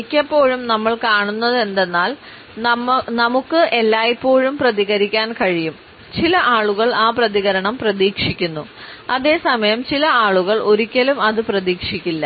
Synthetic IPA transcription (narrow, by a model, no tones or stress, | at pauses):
kʲːɐpːo̞ːɻumnɐmːɐɭkaːɳunːɐðe̞nd̪e̞nːaːl | nɐmukːɨʔe̞lːaːjipːo̞ːɻumprɐðiɣɐɾikʲːaːnkɐɻijum | t͡ɕilɐʔaːɭuɣɐɭaːprɐðiɣɐɾɐɳɐmprɐðiːkʂikʲːunːuɐðe̞ːsɐmɐjɐmt͡ɕilɐaːɭuɣɐɭʔo̞ɾikʲːɐlumɐðɨprɐðiːkʂikʲːilːɐ